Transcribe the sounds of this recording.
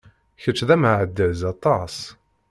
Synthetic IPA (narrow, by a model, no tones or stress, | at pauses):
çət͡ʃːðæmʕəd̪ːəzɑt̪ˤɑs